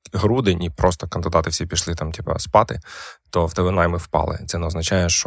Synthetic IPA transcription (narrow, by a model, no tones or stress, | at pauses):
ɦɾud̪ɪnʲʔipɾɔst̪ɔkɐnd̪ɪd̪ɑt̪ɪwsʲipʲiʃlˠɪt̪ɑmtʲipɐ̰spɑt̪ɪt̪ɔwd̪ɐʋɪnɑjmɪwpɑ̰lˠɪ̰t̪sɛnɛɔznɐt͡ʃɑjɛʃt͡ʃɔ